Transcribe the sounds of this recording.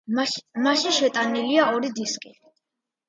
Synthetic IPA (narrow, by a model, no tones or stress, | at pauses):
maʃiʃɛt̪ʼaniliaɔɾid̪iskʼi